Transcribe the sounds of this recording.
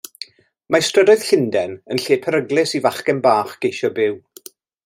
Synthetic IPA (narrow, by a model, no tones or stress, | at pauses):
mastrədɔɨð̥ɬɪndɛnənɬeːpʰəɾəɡlˠɪsivaχkɛnbaːχɡ̥ejʃɔbɪw